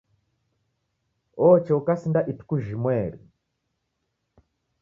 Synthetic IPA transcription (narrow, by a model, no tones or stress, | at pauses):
ɔt͡ʃɛukasindaʔitu̥kuʒimwɛːɾḭ